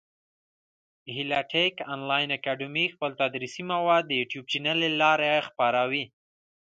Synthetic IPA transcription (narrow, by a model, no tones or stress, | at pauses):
hilaʈʰekanlɑjnakaɖəmixpəlt̪ad̪ɾisimawɑd̪̚ːəjuʈjub̚t͡ʃinalelɑɾexpaɾawi